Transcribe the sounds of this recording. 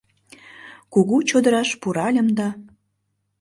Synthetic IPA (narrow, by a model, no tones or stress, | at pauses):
kuɣut͡ɕod̪əɾɑʃpuɾɑlʲə̆md̪ɑ